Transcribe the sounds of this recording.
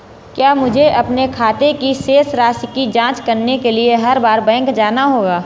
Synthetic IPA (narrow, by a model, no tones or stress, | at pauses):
kjaːmʊd͡ʒʱeʔɐpnekʰaːt̪ekiʃeːsɾaːskid͡ʒãːt͡ʃkɐɾnekelieɦɐɾbaːɾbɛ̃ːŋkd͡ʒaːnaɦoːɡaː